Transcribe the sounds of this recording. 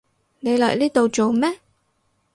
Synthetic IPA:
ne˨˧jlɔ̰ː˨jliː˥t̪o˨wt͡so˨wmɛː˥

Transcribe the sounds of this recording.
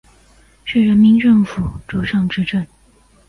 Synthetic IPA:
t͡ɕʰɛ˥˩ɻə˧˥nmi˧˥nʈ͡ʂɤ˥˩ŋfu˨˩ʈ͡ʂo˧˥ʂɑ˥˧ŋʈ͡ʂɻ̩˥ʈ͡ʂə˥˩n

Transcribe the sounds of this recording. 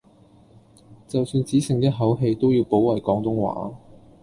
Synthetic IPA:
t͡sɐ˨wsyː˧nt͡siː˨˥sɪ˨ŋt̪ɛː˥ɦɐ˨˥wɦe˧jt̪o˥wjiː˨˧wpo˨˥wwɐ˨jkɔː˨˥ŋt̪ʊ˥ŋwa̰ː˨˥

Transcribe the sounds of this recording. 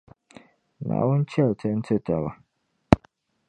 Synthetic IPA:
na̰ː˨wʊ˦n˦t͡ʃɛ˦˨ltɨ˦n̩˦tɨ˦ta˨ba˨

